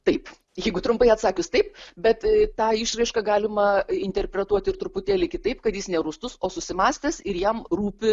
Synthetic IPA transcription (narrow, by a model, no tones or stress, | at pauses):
t̪ɐɪp | jɛɪɡʊt̪ɾʊmpɐɪɐt̪sɑːkʲʊst̪ɐɪpbʲɛt̪t̪ɑːɪʃɾɐɪʃkɐɡɑːlʲɪmɐɪnʲt̪ʲɛrʲpʲɾʲɛt̪uɔt̪ʲɪɾt̪ɾʊpʊt̪ʲeːlʲɪkʲɪt̪ɐɪpkɐt̪jɪsnʲɛɾʊst̪ʊsoːsʊsʲɪmɑːsʲt̪ʲɛsɪɾjɛmruːpʲɪ